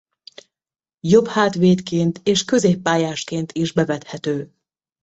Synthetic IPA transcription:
jo̞phaːt̪ʋeːt̪keːnt̪eːʃkø̞zeːpːaːjaːʃkeːnt̪ʰiʒbɛvɛt̪hɛt̪øː

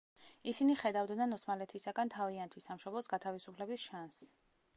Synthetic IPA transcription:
isiniχɛd̪avd̪nanɔsmalɛt̪ʰisaɡant̪ʰaviant̪ʰisamʃɔblˠɔsɡat̪ʰavisupʰlɛbisʃans

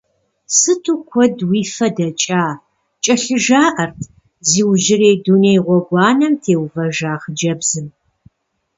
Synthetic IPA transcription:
sɨtʰukʷʰɔdwiːfɐdɐt͡ʃʼaː | t͡ʃʼɐɬɨʒaːʔɐrtʰ | ziːwʒɪreːdunejʁʷɔɡʷɑːnɐmtʰeːwvɐʒaːχəd͡ʒɐbzɨm

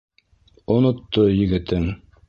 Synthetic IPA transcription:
onŏt̪ːojɘ̆ɡɘ̆t̪ɘŋ

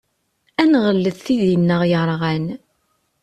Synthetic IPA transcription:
ænʁəlːəθθiðinːəʁjəɾˤʁæn

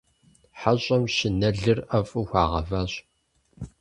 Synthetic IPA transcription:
ħaɕʼɐmɕɪnɐɮɨrɐfʼuxʷɑːʁɐ̰vaːɕ

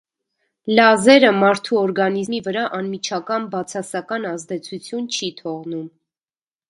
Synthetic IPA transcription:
lɑzɛɾəmɑɾt̪ʰuɔɾɡɑnizmivəɾɑʔɑnmit͡ʃʰɑkɑnbɑt͡sʰɑsɑkɑnɑzd̪ɛt͡sʰut͡sʰjunt͡ʃʰit̪ʰɔʁnum

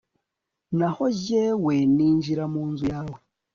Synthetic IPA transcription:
naho̞zeweniːɲʒiɾamuːnzujaːwe

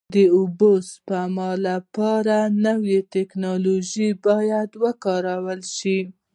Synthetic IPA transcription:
d̪əʊbospəmɑlapɑɾanəwet̪eknɑloʒibɑjad̪wəkɑɾawəlʃi

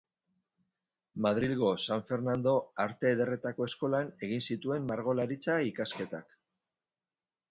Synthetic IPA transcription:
maðɾilɣo̞saɱfe̞ɾnand̪o̞aɾt̪e̞ːð̞e̞re̞t̪ako̞esko̞lane̞ɣinsit̪ue̞mːaɾɣ̞o̞laɾit͡saikaske̞t̪a̰k

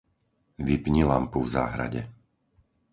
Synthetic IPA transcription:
ʋipɲilampuvza̰ːɦɾa̰ɟɛ

